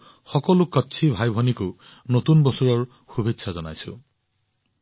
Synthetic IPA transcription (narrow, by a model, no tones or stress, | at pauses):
xɔkɔlukɔtːsʰibʱajbʱɔnikʊ | not̪unbɔsuɹɔɹ | xubʱetːsʰazɔnajsʊ̰̃